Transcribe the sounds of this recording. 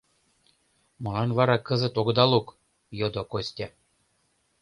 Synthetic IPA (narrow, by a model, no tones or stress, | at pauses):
mɤ̆lɑnvɑɾɑkɤ̆zə̆t̪oɡd̪ɑlˠuk | jɤd̪okosʲtʲɑ